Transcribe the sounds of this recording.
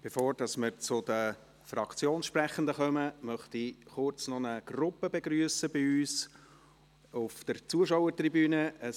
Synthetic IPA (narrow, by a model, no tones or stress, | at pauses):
b̥efoːɾd̥ɑsmɪɾt͡sʊd̥̪ə | frɑkt͡sjoːnʃpɾɛχənd̪əχœməmœχtiχʊrt͡snɔnəɡ̥rʊpːəbɛɡɾyːsəbɪyːs | ʊfd̥əɾt͡suəʃɔwəɾt̪ribyːnəə